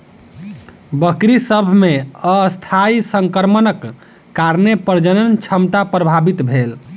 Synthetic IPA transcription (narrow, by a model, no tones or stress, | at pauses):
bəkɾisəbʱmeəst̪ʰaisəŋkəɾmənəkː | aɾnepəɾd͡ʒənənt͡ʃʰəmt̪apɾəbʱabit̪bʱel